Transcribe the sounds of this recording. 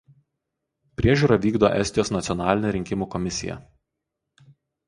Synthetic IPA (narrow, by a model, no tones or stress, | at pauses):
pʲɾʲiɛʒʲuːˑɾɐʋʲiːɡd̪oːʔɛ̰sʲt̪ʲɪjoːsnɐt̪sʲjɔnɑːlʲɪnʲeɾʲɪŋʲkʲɪmuːkɔmʲɪsʲɪ̰jɛ̰